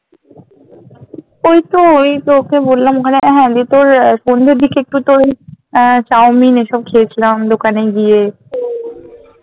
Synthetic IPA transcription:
ojt̪ooit̪ookebolːamokʰaneɦɛ̃d̪it̪oɾʃond̪ʱeɾd̪ʱikeek̚ʈut̪oi | t͡ɕaowmineʃɔb̚kʰiet͡ɕʰilamd̪okaneɡie

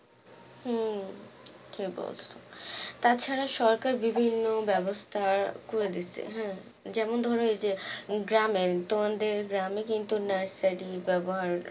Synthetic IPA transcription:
h̩ | ʈʰibɔ̰lt̪ot̪at͡ɕʰaɾaʃɔɾkaɾbibʱinːobɛbost̪ʰakoɾed̪itːt͡ɕʰḛɦɛ̃ | d͡ʑɛmond̪ʱɔɾõed͡ʑeɡɾamet̪oand̪eɾɡɾamekint̪unḁsaʈibɛboɦaɾ

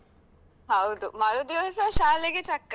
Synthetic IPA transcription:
ɦɐwd̪umɐɾud̪ios̬ɐʃaːliɡet͡ʃɐkː

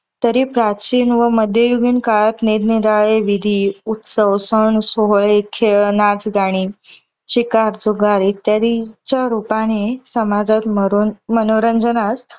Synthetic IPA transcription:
t̪əɾipɾat͡ɕiːnʋəməd̪ʱjəjuɡiːnkaɭat̪niɾniɾaɭeʋid̪ʱiut̪səwsəɳsoɦɭekʰenad͡zɡaɽ̃i | t͡ɕikaɾd͡zoɡaɾit̪jad̪it͡ɕaɾupanesəmad͡zat̪məɾunmənoɾəɲd͡ʑənas

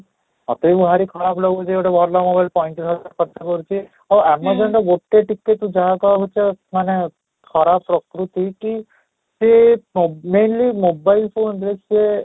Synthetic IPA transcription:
ɔ̰t̪eibuɦaɾikʰɔɾaplɔɡut͡ʃioʈebʱɔɾlɔmobajlpɔiɳʈɾʰɔd͡ʒaɾkʰɔt̪ːakɔɾut͡ʃʰi | awɛmɔd͡ʒɔɳɖɔɡoʈːeʈikːeʈũd͡ʒaɦakɔaɦut͡ʃʰemane | kʰɔɾapːɾɔkɾut̪iki | se | menlimobajlpʰonblese

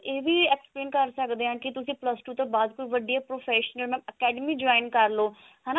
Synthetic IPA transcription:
eːʋiːɛkspleːnkəɾsəkd̪eːãːkɪt̪ʊsĩːpləsʈuːt̪õːbaːd̪koiːʋəɖijaːpɾoːpʰɛːʃənəlmɛ̃ːəkɛːɖəmiːd͡ʒɔːɪnkəɾloː | ɦɛːnaː

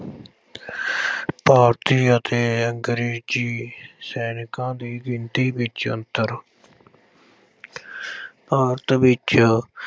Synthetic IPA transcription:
paːɾt̪iːət̪eːəŋɡɾeːd͡ʒiːsɛːnɪkãːd̪iːɡɪnt̪iːbɪt͡ʃə̰nt̪əɾ | paːɾt̪ʋɪt͡ʃ

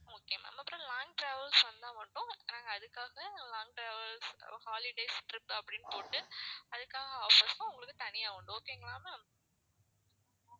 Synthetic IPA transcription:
oːkːɪjɐma̰ːmːaːpːɪɾõlaːŋɡ̚ʈɾeːʋɐlsʋɐnd̪ãːʋɐɳɖʊ̃nãːŋɡɐːðɯkːaːɣɐlãːŋɡ̚ʈɾeːʋɐlshaːlɪɖɐɪsʈɾɪpːɐpːɐɽɪnːɯpoːʈːɯɐðɯkːaːɣɐoːfɐsãʊŋɡɐɭɯkːɯt̪ɐnɪjaːʋɐɳɖɯ̃oːkːeŋɡɐɭaːma

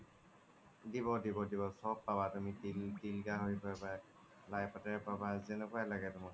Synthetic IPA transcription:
dibɔdibɔdibɔsɔbːabatumitiltilɡaɦojpaba | lajpatɛɹpabazɛnɛkɔjalaɡɛtʊma

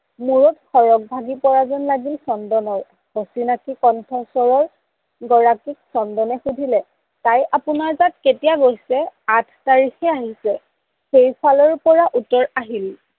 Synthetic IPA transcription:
muɹɔtxɔɹɔk̚bʱaɡipɔɹazɔnlaɡilsɔndɔnɔɹ | hosinakikɔntʰɔsɔɹɔɹ | ɡɔɹakik̚sɔndɔnɛxudʱilɛ | tajʔapʊnaɹzat̚ketijaɡojsɛatʰtaɹixɛaɦisɛ | xejpʰalɔɹpɔɹaʔutɔɹaɦil

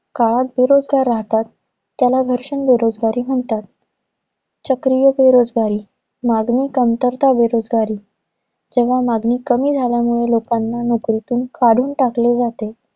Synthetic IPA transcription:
kaɭat̪̚beɾod͡zɡaɾːaɦt̪at̪ː | jalaɡʱəɾʂəɳbeɾod͡zɡaɾiːɦoɳt̪at̪̚ | t͡ɕəkɾijəbeɾod͡zɡaɾiː | maɡniːkəmt̪əɾt̪ʰabeɾod͡zɡaɾiː | d͡ʑeʋ̤amaɡniːkəmiːd͡zʱaljamuɭelokanːanokɾit̪uːnkʰaɽ̤uːnʈakled͡zat̪e

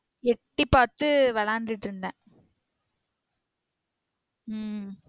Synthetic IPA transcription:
ɛʈːipaːt̪ɯʋɐlaːnɖɾɪʈːɪɾɯnd̪ãː

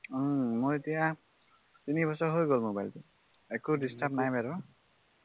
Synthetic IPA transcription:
ʌmʌjt̪ijã | t̪inibʌsʌɦojɡolmobajlt̪e | ekuɖisʈapnajmeɾo

